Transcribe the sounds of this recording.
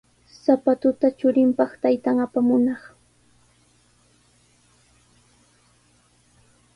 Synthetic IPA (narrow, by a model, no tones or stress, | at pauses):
sapat̪ʊt̪at͡ʃʊɾɪmpɑχt̪ajt̪aŋapamʊnɑχ